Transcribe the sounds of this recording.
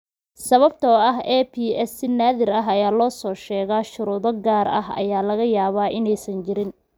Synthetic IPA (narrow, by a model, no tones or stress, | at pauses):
sɐβɐb̚t̪ʰɐɐɦɛpʰiːɛsɪnaːðɪɾɐɦɐjaːlɔːsɔːʃɛːɣaːʃʊɾuːðɔɡaːɾɐ̰hɐ̰jaːlɐɣɐjaːβaːʔɪnɛjsɐnt͡ʃɪɾɪn